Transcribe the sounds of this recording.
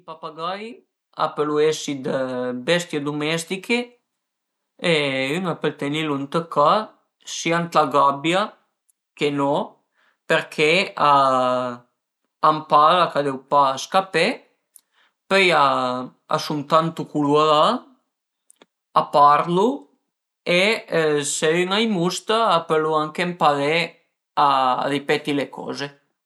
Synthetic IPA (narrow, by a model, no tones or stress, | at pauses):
ipapaɡaj | a̰pəluesid̪əbɛst̪jed̪umɛst̪ikʰe | eynapəlt̪ɛnilunt̪əka | siant̪aɡabja | kenɔ | peɾkʰɛa | ampalakad̪ewpaːskape | pøjaa̰sunt̪ant̪ukulwaða | apaɾlu | eseiŋajmust̪aːpeluaŋkempaðe | a̰ðipɛt̪ilekʰɔ̰ze